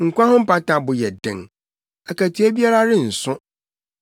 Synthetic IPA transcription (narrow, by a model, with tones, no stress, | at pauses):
ŋ̩˨kʷã˦ɦʊ̃˦m̩˦pa˦tã˨bʊ˨jɛ˨dɪ̰̃˨ŋ | a˨ka˨tʰi˨˦æ˦bi˦a˦ɾa˦ɾɪ˦n̩˨sʊ̃˦